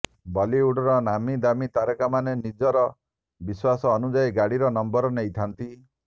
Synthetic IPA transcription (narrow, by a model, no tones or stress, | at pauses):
bɔliuɽɔɾɔnamid̪amit̪aɾɔkamanenid͡ʒɔɾɔ | biswasɔːnud͡ʒaiɡaɽiɾɔnɔmbɔɾɔnejt̪ʰant̪i